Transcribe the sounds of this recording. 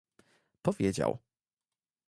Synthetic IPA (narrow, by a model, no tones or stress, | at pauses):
pɔvʲjed͡ʑa̰w